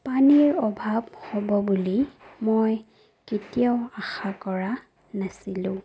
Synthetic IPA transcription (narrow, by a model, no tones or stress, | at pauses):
paniɹɔbʱabhɔbɔbulimoj | ketijaʊaxakɔɹa | nasilʊ̃